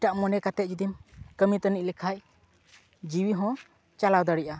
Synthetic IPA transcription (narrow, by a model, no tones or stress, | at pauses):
ʈaʔmɔnɛkat̪ɛt̪̚d͡ʒud̪imkəmit̪ənic̚lɛkʰac̚ | d͡ʒiwiɦɔ̃ | t͡ʃalawd̪əɽiʔa